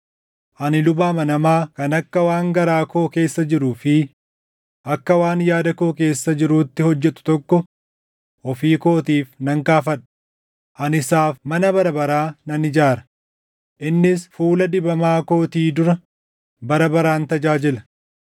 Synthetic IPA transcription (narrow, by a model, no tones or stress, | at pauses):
ʔɐnɪlʊbaːmɐnɐmaːkɐnɐkːɐwaːŋɡɐɾaːko̞ːke̞ːsːɐd͡ʒɪɾuːfɪ | ʔɐkːɐwaːnjaːd̪ɐko̞ːke̞ːsːɐd͡ʒɪɾuːt̪ːɪhɔd͡ʒːɛt̪ʊ̥t̪ɔkːɔ | ʔɔfiːko̞ːt̪iːfnɐŋkaːfɐᶑɐ̥ | ʔɐnɪsaːfmɐnɐbɐɾɐbɐɾaːnɐnɪd͡ʒaːɾɐ̥ | ʔɪnːɪsfuːlɐd̪ɪbɐmaːko̞ːt̪iːd̪ʊɾɐ | bɐɾɐbɐɾaːnt̪ɐd͡ʒaːd͡ʒɪlɐ̥